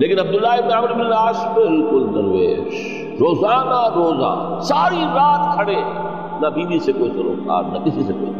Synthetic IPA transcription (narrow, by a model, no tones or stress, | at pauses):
leːkɪnɐb̚d̪ʊlːaːɪbnaːmɪɾmɪlnaːsbɪlkʊlnɐɾʋḛːʒ | ɾoːzaːnaɾoːza̰ː | saːɾiɾaːt̪kʰɐɽeː | nɐbʱĩːd̪isekoːisɐɾo̰ːka̰ːɾnɐkɪsiseko̰ːḭ